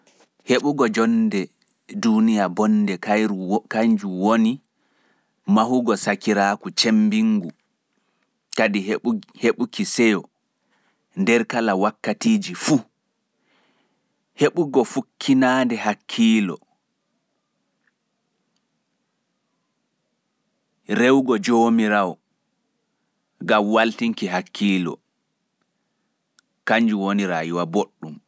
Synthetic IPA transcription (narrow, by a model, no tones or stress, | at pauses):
heɓuɡɔd͡ʒɔndɛ | dunijabɔndɛkajɾukaɲd͡ʒuwoni | mahuɡɔsakiɾaːkut͡ʃembiŋɡu | kadiheɓukisɛjɔ | ndɛɾkalawakːatiːd͡ʒifu | heɓuɡɔfukʰːinaːndɛhakʰːiːlɔ̰ | ɾewɡɔd͡ʒoːmiɾawɔ | ɡamwaltiŋkiɦakʰːiːlɔ̰ | kaɲd͡ʒuwoniɾajuwaboɗːum